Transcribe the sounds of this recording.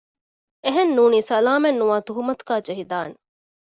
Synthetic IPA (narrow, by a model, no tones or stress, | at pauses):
eɦenːuːniːsɐlaːmenːuʋaːt̪uɦumɐt̪u̥ɡaːd͡ʒeɦid̪aːne